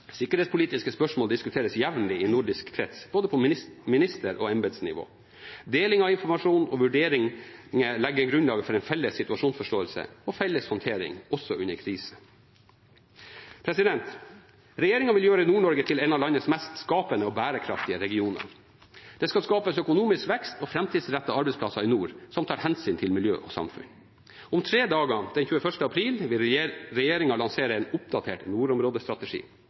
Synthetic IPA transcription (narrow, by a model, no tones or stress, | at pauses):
sɪkːəɾheːtspʰʊliːt̪ɪskəspœʂmoːld̪ɪskʉt̪ʰeːɾəsjæʋnəlɪɪnʊɖɪskkʰɾɛt̪sboːd̪əpʰɔmɪnɪst̪əɾʔɔ̰ɛnbɛd̪snɪ̰ʋo̰ː | d̪eːlɪŋɑʋɪnfɔɾmɑʂuːnɔʋʉɖeːɾɪŋŋəlɛɡːəɾɡɾʉnlɑːɡəfɔɾɛnfɛlːəsːɪt̪ʉɑʂuːnsfɔʂʈoːəlsə̰ɔfɛlːəshɔnt̪ʰeːɾɪ̰ŋɔsːɔʔʉnːəɾkʰɾiːsə̥ | pʰɾɛsɪd̪ɛnt̪ | ɾɛjeːɾɪŋɑʋɪljøːɾəɪnuːɳɔɾɡət̪ʰɪlɛnɑʋlɑnːəsmɛst̪skɑːpənəɔbæːɾəkʰɾɑ̰ft̪ɪəɾɛɡɪuːnə̰ɾ | d̪̥ɛskɑlskɑːpəsœkʊnuːmɪskʋɛkst̪ɔfɾɛmt̪ʰiːd̪sɾɛt̪ːɑɑɾbɛɪspʰlɑsɑɾɪnuːɾsɔmt̪ʰɑːɾhɛnsyːnt̪ʰɪlmɪljø̰ːʔɔsɑ̰mfʉ̰n | ʊmt̪ʰɾeːd̪ɑːɡəd̪̥ɛnçʉːəfœʂʈəɑpʰɾiːlʋɪlɾɛjeːɾɪŋɑlɑŋseːɾəɛnʊp̚d̪ɑt̪ʰeːʈnuːɾɔmɾoːd̪əst̪ɾɑt̪ɛʂḭː